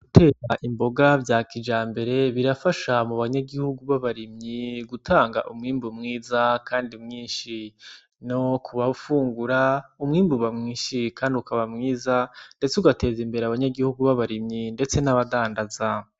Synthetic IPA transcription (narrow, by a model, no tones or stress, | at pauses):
ɡ̥utʰe̞ːɾaʔimbo̞ɡavjaːkid͡ʒaːmbe̞ɾe̞βiɾafaʃamuβaɲaɡihuɡuβaβaɾimɲiɡutʰaːŋɡa̰ʔumŋiːmbumŋiːzakʰaːndiumŋiːnʃi | no̞kʰuβaufuːŋɡuɾaumŋiːmbuβamŋiːnʃikaːndiukaβamŋiːzande̞t͡seuɡate̞ːzimbe̞ɾeaβaɲaɡihuɡuβaβaɾimɲinde̞t͡se̞naβadaːndaza